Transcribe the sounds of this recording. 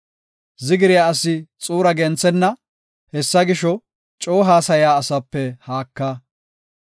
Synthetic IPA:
zɪɡɪɾɪjaːɐsɪt͡sʼuːɾɐɡɛnt͡sːɛnːɐ | hɛsːɐɡɪʃɔ | t͡ʃʼoːɦaːsɐjaːɐsɐpːɛhaːkːɐ

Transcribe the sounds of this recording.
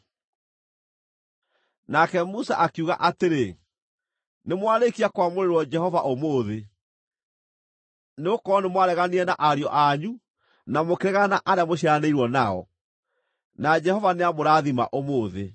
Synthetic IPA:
nakɛmusa̰ʔakuɣa̰ʔateɾe | nemwaɾekiakwamoɾeɾwɔd͡ʒɛhɔvaʔomoːðe | neokɔnemwaɾɛɣaniɛnaʔaɾeɔʔaɲu | namokeɾɛɣanaʔaɾjamoɕiaaneiɾwɔnaɔ̰ | nad͡ʒɛhɔvaneamoɾaðima̰ʔomoːðe

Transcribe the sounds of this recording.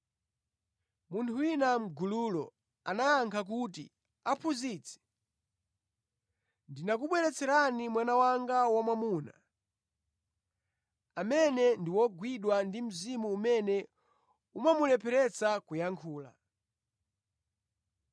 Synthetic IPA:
muntʰuwinam̩ɡuluːlɔ̰ | anaːŋkʰak̬utḭ | apʰuziːt͡sʰɛ̥ | ndinak̬uɓwɛɾɛt͡sɛɾanimwanawaŋɡawamwamuːna̰ | amɛnɛndiwɔɡwiɗwandim̩zimuːmɛnɛ | umamulɛpʰɛɾɛt͡sakujaŋkʰuːla̰

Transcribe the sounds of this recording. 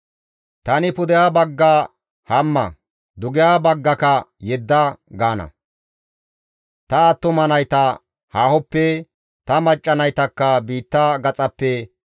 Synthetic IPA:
t̪ɐnɪpʊd̪ɛjaːbɐɡːa | hɐmːɐ̰ | d̪ʊɡɪjaːbɐɡːɐkɐjɛd̪ːɐɡaːnɐ̰ | t̪ɐːt̪ːʊmɐnɐjt̪ɐ | haːhɔpːɛ | t̪ɐmɐt͡ʃʼːɐnɐjt̪ɐkːɐbiːt̪ːaɡɐt͡sʼɐpːɛ

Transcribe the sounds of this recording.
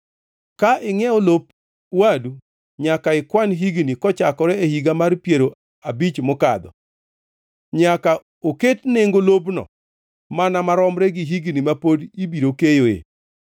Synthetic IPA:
kaʔɪŋɛɔlop | wadu | ɲakaɪkwanɦiɡnikɔt͡ʃakɔɾɛehiɡamarpjeɾo | abit͡ʃmʊka̰d̪ɔ̰ | ɲaka | oketneŋɡolobnɔ̰ | manamaɾɔmɾɛɡiɦiɡnimapodibiɾokejoḛ

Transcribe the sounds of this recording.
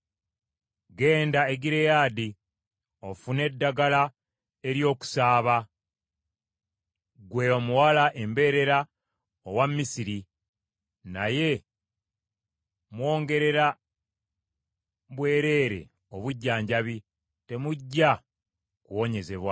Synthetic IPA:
ɡe̞ːndaeɡiɾe̞jaːdi | o̞fune̞dːaɡala | e̞ɾjo̞ːku̥saːβa | ɡwe̞omuwalaʔe̞mbe̞ːɾe̞ɾa | owamːisiɾi | naje̞ | mwo̞ːŋɡe̞ɾe̞ɾa | βwe̞ːɾe̞ːɾe̞̰ | o̞βuɟːaːɲɟaβi | te̞muɟːa | kuwo̞ɲe̞ze̞βwa

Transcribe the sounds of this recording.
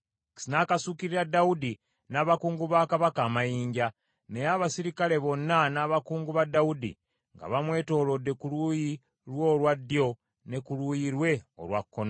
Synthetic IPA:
ki̥sinaːkasukiɾiɾadaudi | naːβakuːŋɡuβaːkaβakaːmajiːɲɟa | nejaβasiɾikale̞βo̞nːanaːβakuːŋɡuβadaudḭ | ŋɡa̰βamwe̞ːto̞ːlo̞dːe̞kuluji | ɾwo̞ːlwadːjo̞ | ne̞kulujiɾwe̞o̰lwakːono

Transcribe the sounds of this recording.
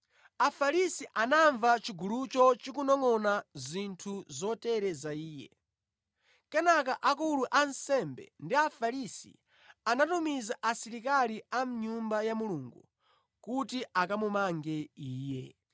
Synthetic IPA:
afaɾisiʔanaɱvat͡ʃiɡulut͡ʃɔt͡ʃik̬unɔŋɔnazintʰuzɔtɛɾɛzaiːjɛ̰ | kɛnak̬aʔakuluʔansɛmbɛ̰ndiafaɾisḭ | anatumizaʔasiɾikaliam̩ɲumbajamuluːŋɡu | kutiʔakamumaŋɡɛiːjɛ

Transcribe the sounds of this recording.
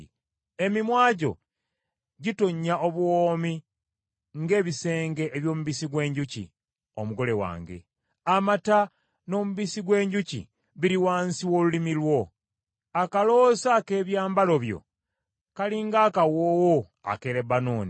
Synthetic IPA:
e̞mimwaːɟo̞̰ | ɟito̞ɲːaʔoβuwoːmi | ŋɡe̞ːβise̞ːŋɡe̞ʔːβjo̞ːmuβisiɡwe̞ːɲɟucḭ | omuɡo̞le̞wa̰ːŋɡe̞̰ | amata | no̞ːmuβisiɡwe̞ːɲɟucḭ | βiɾiwaːnsiwo̞ːlulimilwo̞ | akalo̞sake̞ːβjaːmbalo̞βjo̞̰ | kaliːŋɡaːkawoːwo | a̰keɾebanoːni

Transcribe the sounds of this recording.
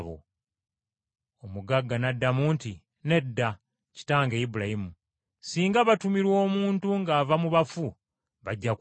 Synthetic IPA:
βo̰ | omuɡaɡːanadːamuːnti | ne̞dːa | ci̥taːŋɡe̞jibuɾajimu | siːŋɡaβatumiɾwo̞ːmuːntuŋɡaːvamuβafu | βaɟːak

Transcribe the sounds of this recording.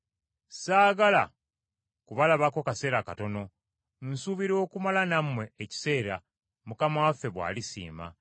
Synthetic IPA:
saːɡala̰ | kuβalaβako̞kase̞ːɾakato̞no̞ | n̩suβiɾo̞ːkumalanamwe̞ːci̥se̞ːɾa | mukamawafːe̞βwa̰ːlisḭːma̰

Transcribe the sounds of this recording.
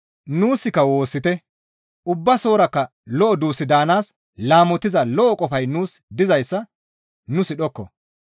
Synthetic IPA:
nuːsːɪkːɐwo̞ːsːɪt̪ɛ | ʔʊbːɐso̞ːɾɐkːɐ | lɔʔɔd̪uːsːɪd̪aːnaːs | laːmɔt̪ːɪzɐlɔʔɔkʼɔfɐjnuːsd̪ɪzɐjsːɐ | nʊsɪɗɔkːɔ̰

